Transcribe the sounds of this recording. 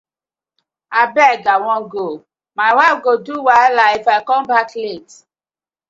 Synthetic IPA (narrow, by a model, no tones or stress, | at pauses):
abɛɡawɔ̃ɡo | maɪwaɪfɡoduwalaifaɪkɔ̃mbaklet